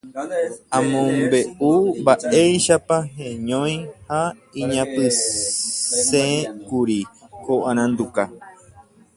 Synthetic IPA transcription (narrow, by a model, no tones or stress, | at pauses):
ãmõmbe̞umbaʔejʃapaɦẽɲõj̃haĩɲãpɨ | sekuɾikoʔãɾ̃ãnd̪uka